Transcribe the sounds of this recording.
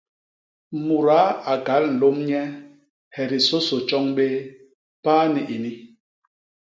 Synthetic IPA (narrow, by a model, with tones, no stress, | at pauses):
mu˨ɾa˨˦a˨ɡa˨˦ln̩˨lo˦mɲɛ˦ | hɛ˨ɾi˨so˦so˨t͡ʃɔ˦ŋɓe˦ | paː˦ni˨ʔi˨ni˦